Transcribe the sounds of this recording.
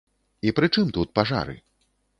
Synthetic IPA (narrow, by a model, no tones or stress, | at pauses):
ipɾɨt͡ʂɨmt̪ut̪̚paʐa̰ɾɨ̰